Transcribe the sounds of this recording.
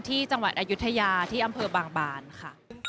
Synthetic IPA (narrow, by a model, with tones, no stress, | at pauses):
t̪ʰiː˥˩t͡ɕa˧ŋwa˨˩t̪̚ʔaː˧ju˦˥t̪ʰːa˧jaː˧t̪ʰiː˥˩ʔa˧mpʰɤː˧baː˧ŋbaː˧nkʰa˥˩ʔ